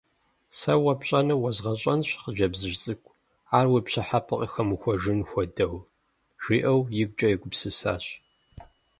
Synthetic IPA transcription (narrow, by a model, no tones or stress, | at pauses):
sɐwɐpɕʼɐnɐwɐzʁɐɕʼɐnɕχəʒɐbzɨʒt͡sʼɨkʷʰʼ | aːrwipɕɐħapʰɨqʼixɐmuxʷɔʒɨnxʷɔdɐw | ʒ̥ʷiːʔɐwjɪɡ̚ʷt͡ʃʼɐjɪɡʷʊpsɨsa̰ːɕ